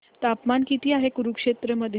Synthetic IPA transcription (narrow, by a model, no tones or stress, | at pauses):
t̪apmankit̪iːaɦekuɾukʂet̪ɾəməd̪ʱj